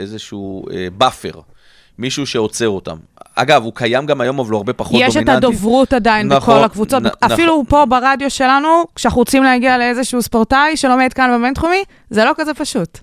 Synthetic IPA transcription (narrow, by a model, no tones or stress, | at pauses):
ezeʃuebafḛʁ | miʃuʃeo̞t͡seʁota̰m | a̰ɡavukʰajamɡamajo̞mavloaʁbe̞paχojeʃetad̪ovʁut̪adainbeko̞lakvut͡so̞t̪baffilupo̞baʁadjoʃe̞lanukʃeaχuʁot͡simleaɡialeezeʃuuspoʁtajʃe̞lo̞med̪kanbement̪χumi | zelokazepaʃut